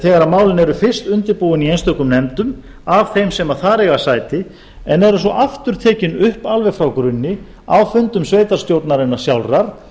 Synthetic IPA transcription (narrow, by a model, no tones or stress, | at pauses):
θɛɣaɾamaːwlɪnɛɾʏfɪr̥st̪ʏnt̪ɪɾpuwɪniejnst̪œkʏmnɛmt̪ʏm | avθejmsɛmaθaːɾɛɣasajt̪ɪ | ɛnɛɾʏsvɔʔaft̪ʏɾ̥t̪ʰɛːcɪnʏhpalvɛfɾawkɾʏnːɪ | awfʏnt̪ʏmsveːjt̪aɾ̥st̪jowɾt̪naɾɛnːasjawlraɾ̥